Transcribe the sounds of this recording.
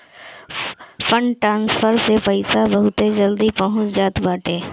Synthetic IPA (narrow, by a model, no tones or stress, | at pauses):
fʰəɳʈɾãːnspʰəɾsepəɪsabɐɦʊt̪ed͡ʒəld̪ipəɦʊ̃t͡ʃd͡ʒaːt̪baːʈeː